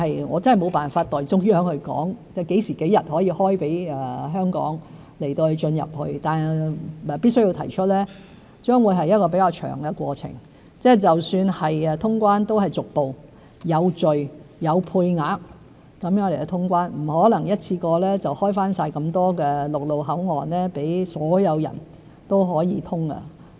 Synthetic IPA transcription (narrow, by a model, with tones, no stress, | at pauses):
hɐ˨jŋɔː˨˧t͡sɐ˥nhɐ˨˩jmo˨˧wpaː˨˩nfaː˧t̚t̪ɔː˨jt͡sʊ˥k̚jœː˥ŋhɵ˧kɔ̰ː˨˥ŋ | ɛ˥˧ke˨˥jsiː˨˩ke˨˥jɐ˨t̚hɔː˨˥jiː˧hɔː˥jpe˨˥jɛː˨˧ɦœː˥ŋkɔ̰ː˨˥ŋ | le˨˩jt̪o˧whɵ˧ɥt͡ʃɵ˧njɐ̰˨p̚hɵ˧ɥt̪aː˨˩nɛː˨pi˥ts̬ɵ˥ɥji˧wt̪ʰɐ̰˨˩jt͡ʃʰɵ˥t̚lɛː˥ | t͡ʃœː˥ŋwuː˨˧jɦɐ˨jːɐ˥t̚kɔː˧pe˨˥jkaː˧wt͡ʃʰœ̰ː˨˩ŋɡɛ˧kʷɔː˧t͡sʰɪ̰˨˩ŋ | t͡sɛː˥t͡sɐ˨wsyː˧nhɐ˨jɛ˧t̪ʰʊ˥ŋkʷaː˥nt̪o˥whɐ˨˩jt͡sʊ˨k̚po˨w | jɐ˨˧wt͡ʃɵ˨ɥjɐ˨˧wpʰuː˧jŋaː˨˥k̚ | kɐ˨˥mjœː˨˥ŋle˨˩kɛ˧t̪ʰʊ˥ŋkʷaː˥nm̩˨˩hɔː˨˥lɐ˨˩ŋjɐ˥t̚t͡sʰiː˧kɔː˧lɛː˥t͡sɐ˨whɔː˥jfaː˥nsaː˧jkɐ˧mt̪ɔː˥kɛː˧lʊ˨k̚lo˨wɦɐ˨˥wŋɔː˨˩nlɛː˥pe˨˥jsɔː˨˥jɐ˨˧wjɐ̰˨˩n | t̪o˥wɦɔː˨˥jiː˧t̪ʰʊ˥ŋɐ̰˧